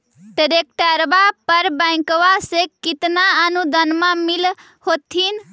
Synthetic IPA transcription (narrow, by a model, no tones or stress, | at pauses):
ɖəɾek̚ʈəɾbapəɾbajkʋasekit̪naənud̪ʱənmamil | hot̪ʰin